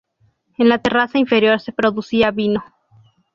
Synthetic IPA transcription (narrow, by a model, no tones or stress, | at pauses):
enlat̪e̞rasaiɱfe̞ɾjo̞ɾse̞pɾo̞ðusiaβino̞